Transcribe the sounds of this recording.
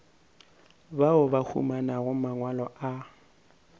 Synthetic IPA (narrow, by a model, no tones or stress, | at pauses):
baʊbahʰṵmanaɣʊmaŋwalɔʔa